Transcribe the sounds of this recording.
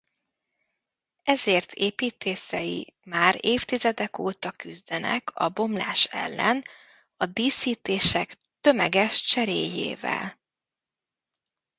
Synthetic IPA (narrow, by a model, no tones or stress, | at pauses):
ɛzeːrt̪ʰeːpiːt̪eːsɛjḭmaːɾeːft̪izɛd̪ɛkoːt̪ɒkyzd̪ɛnɛ̰kʰɒ̰bo̞mla̰ːʃɛ̰lːɛn | ɒd̪iːsiːt̪eːʃɛk | t̪ø̞mɛɡɛʃt͡ʃɛɾḛːjḛːvɛ̰l